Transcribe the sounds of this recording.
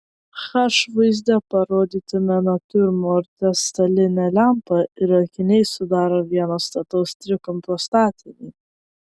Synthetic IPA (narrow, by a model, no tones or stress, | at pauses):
xɐʃʋɐɪzʲd̪ʲɛpɐɾoːd̪ʲiːt̪ʲɪmʲɛnɐpʲʊɾmoːɾʲt̪ʲɛst̪ɐlʲɪnʲɛlʲæmpɐɪɾɐkʲɪnʲɛɪsʊd̪ɑːɾoːʋʲiɛnoːst̪ɐt̪ɐʊst̪ʲɾʲɪkɔmpɾoːst̪ɑːt̪ʲɪnʲɛ